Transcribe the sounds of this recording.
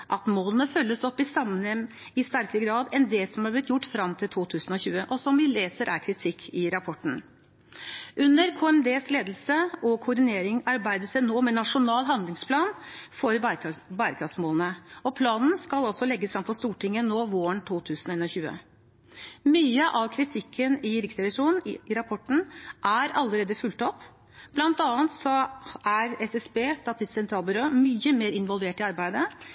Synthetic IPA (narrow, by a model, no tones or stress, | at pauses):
ʔɑt̪moːlənəfœlːəsɔpːɪsɑmːənhɛm | ɪst̪æɾkəɾəɡɾɑːd̪ɛnd̪eːlsɔmhɑɾblɪt̪jʊʈːfɾɑmt̪ʰɪlt̪ʰuːt̪ʰʉːsn̩ɔçʉːəʔɔsɔmʋɪleːsəɾʔæɾkʰɾɪt̪ʰɪkʰːɪɾɑpʰɔʈːɳ̩ | ʔʉnːəɾkʰoːɛnd̪eːsleːd̪lsəɔkʰʊɖ̪ɪneːɾɪŋɑɾbæɪd̪əsænoːmɛnɑʂʊnɑːlɦɑnd̪lɪŋspʰlɑːnfɔɾbæɾəkʰɑfsmoːlənəɔpʰlɑːnn̩skɑlɔlsɔlɛɡːəsfɾɑmfɔst̪uːʈɪŋːənoːʋoːəɳt̪ʰuːt̪ʰʉːsn̩eːnɔçʉːə̰ | myːəʔɑʋkʰɾɪt̪ʰɪkʰːənɪɾɪksɾɛʋɪʂuːnnɪɾɑpʰɔʈːɳ̩ʔæɾɑlːəɾeːd̪əfʉlt̪ɔpː | b̥lɑnt̪ɑːənt̪sɔæɾɛsɛsbeːst̪ɑːt̪ɪst̪sɛnt̪ɾɑːlˠbʏɾoːmyːəmeːɾɪnʋɔlʋeːʈɪɑɾbæɪd̪ə